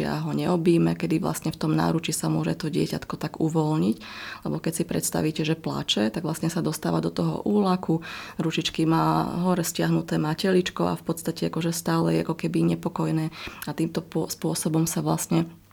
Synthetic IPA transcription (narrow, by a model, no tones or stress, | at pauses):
ɪa̰ɦɔɲɛɔbiːmɛkɛd̪iʋla̰sɲɛft̪ɔmna̰ːɾut͡ʃisamʊɔʒɛ̰t̪ɔɟɪɛ̰ca̰t̪kɔt̪aɡuʋɔlɲiclɛ̰bɔkɛcsipɾɛ̰t̪st̪a̰ʋiːcɛʒɛpla̰ːt͡ʃɛt̪aɡʋlast̪ɲɛsad̪ɔst̪a̰ːʋad̪ɔt̪ɔɦɔ̰ʔuːlakuɾut͡ʃit͡ʃkimaːɦɔɾɛscɪaɦnut̪ɛːmacɛlit͡ʃkɔa̰fpɔt̪st̪acɛakɔʒɛst̪aːlɛjɛa̰kɔkɛbiɲɛpɔkɔjnɛːat̪iːmt̪ɔpspʊɔsɔbɔmsaʋlast̪ɲɛ